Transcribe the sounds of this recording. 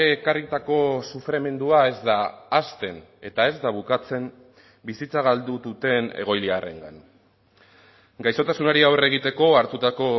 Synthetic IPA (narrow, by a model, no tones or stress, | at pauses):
eːkarit̪ako̞sufɾe̞me̞nd̪uae̞zd̪aːst̪e̞ne̞t̪ae̞zd̪aβ̞ukat͡se̞m | bisit͡saɣ̞ald̪uðut̪e̞ne̞̰ɣ̞o̞jliare̞̰ŋɡan | ɡajso̞t̪asunaɾiawre̞ɣ̞it̪e̞ko̞aɾt̪ut̪ako̞